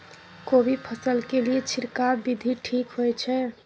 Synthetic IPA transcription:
kobʱipʰəsəlkeliet͡ʃʰiɾkabid̪ʱiʈʰiːkɦojt͡ʃʰɛ

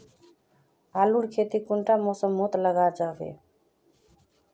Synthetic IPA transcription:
aluɽkʰet̪ikuɳʈamɔsəmːot̪ləɡad͡ʒabḛ

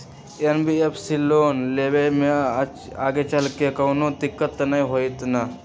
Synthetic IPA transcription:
enbiepʰsiloːnleːʋemẽ | aːɡet͡ʃɐlkekɐwnod̪ɪkːət̪ːnɐĩɦoit̪nɐ

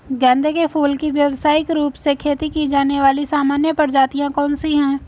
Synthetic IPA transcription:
ɡɛ̃ːnd̪ekepʰuːlkiʋjɐʋsaːɪkɾuːpsekʰeːt̪ikid͡ʒaːneʋaːlisaːmaːnjəpəɾd͡ʒaːt̪ijãkɔ̃ːnsiɦɛ̃ː

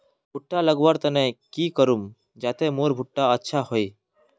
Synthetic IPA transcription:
bʱʊʈːaləɡʋəɾt̪ənekikəɾum | d͡ʒaːt̪emoːɾbʱʊʈːaətːʃʰaɦoi

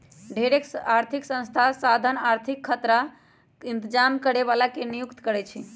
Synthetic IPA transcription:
ɖʱeɾekaɾt̪ʰiksə̃st̪ʰasad̪ʱənaɾt̪ʰikʰːət̪ɾa | int̪əd͡ʒamkəɾeβalakenijukt̪kəɾɛt͡ʃʰi

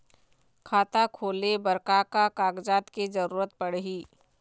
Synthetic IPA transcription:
kʰaːt̪akʰoːlebəɾkakakaːɡd͡ʒaːt̪ked͡ʒəɾuːɾət̪̚pəɽɦiː

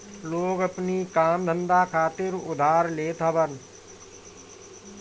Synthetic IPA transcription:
loːɡəpnikaːmd̪ʱə̃nd̪aːkʰaːt̪ɪɾʊ̰d̪ʱaːɾleːt̪ʰəbən

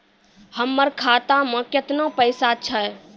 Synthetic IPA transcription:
həmːəɾkʰat̪amə̃ket̪nopəɪsat͡ʃʰə

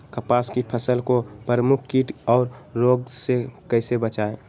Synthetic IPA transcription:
kəpaskipʰəsəlkopəɾəmʊkʰkiːʈɔːɾːoɡsekəɪsebət͡ʃae

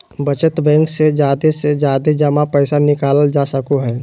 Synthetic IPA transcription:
bət͡ʃət̪bɛ̃ːŋksed͡ʒjaːd̪esed͡ʒjaːd̪ed͡ʒəmãpɛɪsanɪkaːləld͡ʒaːsəkoɦɛː

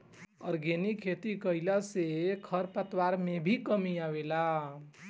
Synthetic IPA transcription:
ɔ̰ɾɡenikʰet̪ikəjlasekʰəɾpət̪waɾmebʱikəmiawela

